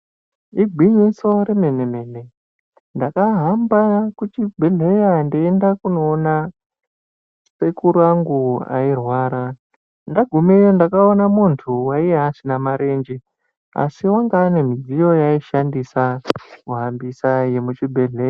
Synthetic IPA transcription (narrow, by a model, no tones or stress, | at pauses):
iɡʱwiɲiso̞ɾe̞me̞ne̞me̞ne̞ | ndakaɦambakut͡ʃibʱe̞ɮe̞jandiendakuno̞ːna | se̞kuɾaŋɡua̰irwaːɾa | ndaɡʱumejondakaonamuntʰuwaijeɦasinamaɾe̞nd͡ʒe | a̰siwaŋɡaːne̞mid͡zijo̞jaiʃandisakuɦambisaje̞mut͡ʃibʱeɮeja